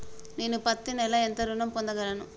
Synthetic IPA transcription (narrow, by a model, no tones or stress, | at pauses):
neːnupɐt̪ːinɛlɐent̪ɐɾunɐmpond̪ɐɡɐlɐnu